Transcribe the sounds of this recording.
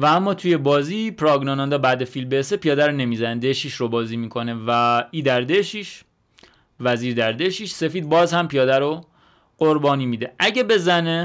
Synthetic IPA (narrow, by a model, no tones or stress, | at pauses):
vææmːɒːt̪ʰuje̞bɒːzipʰɾɒːɡnɒnænd̪ɒːbæd̪efilmbesepʰijɒːd̪æɾone̞mizæned̪eʃiʃɾobɒːziːmiːkʰo̞nevæiːd̪æɾd̪eʃiʃ | væziːɾd̪æɾd̪eʃiːʃse̞fiːd̪̚bɒːzhæmpʰijɒːd̪æɾo | ɢ̥oɾbɒːniːmiːd̪eʔæɟebe̞zæne